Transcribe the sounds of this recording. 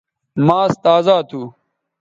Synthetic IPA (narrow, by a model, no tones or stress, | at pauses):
maːst̪aːzaːt̪ʰuː